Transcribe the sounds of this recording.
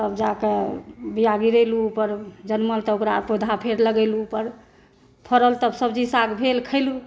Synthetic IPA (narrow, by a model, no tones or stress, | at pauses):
t̪əbd͡ʒakebijaɡiɾəjluːpəɾd͡ʒənməlt̪ɔokɾapod̪ʱapʰeɾləɡɛluːpəɾ | pʰəɾəlt̪əbsəbd͡ʒisaɡbʱelkʰəlu